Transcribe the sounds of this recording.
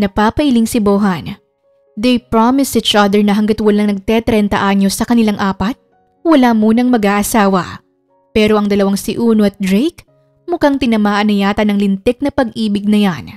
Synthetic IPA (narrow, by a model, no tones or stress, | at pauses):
nɐpaːpɐʔɪliŋsɪboːɦɐn | d̪ejpɹamɪsit͡ʃʔad̪ɛɹnɐɦɐŋɡat̪wɐlaŋnɐɡ̚t̪ɛt̪ɾɛnt̪ɐ̰ʔaɲo̞sɐkɐnɪlaŋʔaːpɐt̪̚ | wɐlamuːnɐŋmɐɡaːʔɐsaːwɐ̰ | pɛːɾo̞ʔɐŋd̪ɐlɐwaŋsɪʔuːnoʔɐt̪̚d̪ɾejk | mukaŋt̪ɪnɐmaːʔɐnɐjaːt̪ɐnɐŋlɪnt̪ɛk̚nɐpɐɡ̚ʔiːbɪɡ̚nɐjan